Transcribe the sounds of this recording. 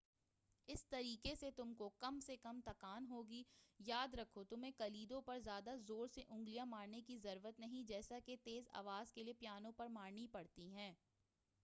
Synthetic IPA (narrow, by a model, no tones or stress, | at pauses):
ɪst̪ɐɾiːkeset̪ʊmkokɐmsekɐmt̪ɐkaːnɦoːɡijaːd̪ɾɐkʰot̪ʊmẽkɐliːd̪õpɐɾzjaːd̪azoːɾseʔʊ̃ŋɡlijãmaːɾnekizɐɾuːɾət̪nɐɦĩd͡ʒɛːsaket̪eːza̰ːʋaːzkeliepjaːnõpɐɾmaːɾnipɐɽt̪iɦɛ̃ː